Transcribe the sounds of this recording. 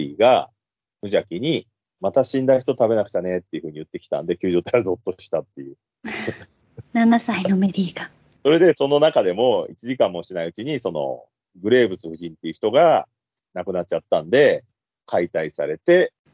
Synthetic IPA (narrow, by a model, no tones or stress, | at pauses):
iːɡa̰ | mɯ̟ʑakʲiɲ̟i | mat̪aɕĩnd̪açi̥t̪o̞t̪abe̞nakɯ̟̥t͡ɕane̞t̪ːe̞iɯ̟ɸɯ̟ːɲ̟iɯ̟t̪ːe̞kʲi̥t̪ã̰nd̪e̞kʲɨ̟ːʑo̞ːt̪aado̞t̪ːo̞ɕi̥t̪at̪ːe̞jɯ̟ | nanasainome̞ɾʲiːɡa | so̞ɾe̞d̪e̞so̞no̞nakad̪e̞mo̞it͡ɕiʑikãmːo̞ɕinaiɯ̟t͡ɕiɲ̟iso̞no̞̰ | ɡɯ̟ɾe̞ːbɯ̟t͡sɨɸɯ̟ʑĩnt̪ːe̞iɯ̟çi̥t̪oɡa | nakɯ̟nat͡ɕ̚ːt͡ɕat̪ːãnd̪e̞ | kʰait̪aisaɾe̞t̪e̞